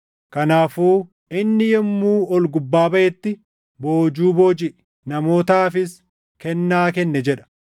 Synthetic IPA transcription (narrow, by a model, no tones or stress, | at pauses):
kɐnaːfuː | ɪnːɪjɛmːuːɔlɡʊbːaːbɐʔɛt̪ːɪ | bo̞ːd͡ʒuːboːd͡ʒɪʔ | nɐmo̞ːt̪aːfɪs | kɛnːaːkɛnːɛd͡ʒɛᶑɐ̥